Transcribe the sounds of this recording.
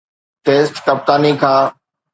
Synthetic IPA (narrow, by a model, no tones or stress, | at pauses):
ʈeːsʈkɐp̚t̪aːnikʰãː